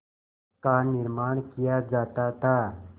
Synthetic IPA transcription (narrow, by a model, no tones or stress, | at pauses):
kanɪɾmaːɳ̃kijad͡ʒaːt̪at̪a